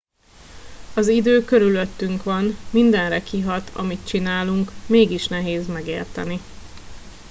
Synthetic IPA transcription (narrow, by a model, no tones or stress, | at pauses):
ɒzid̪øːkø̞ɾyløt̪ːyŋkʋɒnmind̪ɛnrɛkiɦɒt̪ʰɒ̰mit̪̚t͡ʃinaːluŋkmeːɡiʃnɛɦeːzmɛɡeːrt̪ɛni